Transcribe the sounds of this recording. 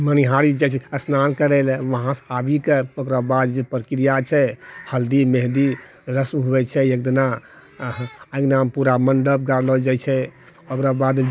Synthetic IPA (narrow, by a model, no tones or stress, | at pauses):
məniɦaɾid͡ʒat͡ʃʰɛəsnankəɾɛlɛʋəɦãsabʱikeokɾabad̪d͡ʒepɾəkɾijat͡ʃʰɛhəld̪imeɦd̪i | ɾəsmɦubɛt͡ʃʰɛek̚d̪ina | aɡnampuɾaməɳɖəb̚ɡaɾlɔd͡ʒat͡ʃʰɛ | okɾabad̪